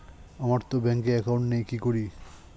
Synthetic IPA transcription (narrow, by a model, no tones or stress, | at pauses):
amaɾt̪obɛŋkeɛkawɳʈnejkikoɾi